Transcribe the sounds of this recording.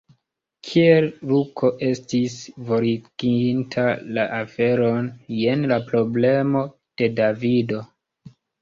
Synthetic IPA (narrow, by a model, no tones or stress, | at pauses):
kʰielɾukʰo̞ʔe̞stisvo̞ɾiɡ̥intʰalaʔafe̞ɾo̞nje̞nlapɾo̞ble̞mo̞ | d̥e̞davido̞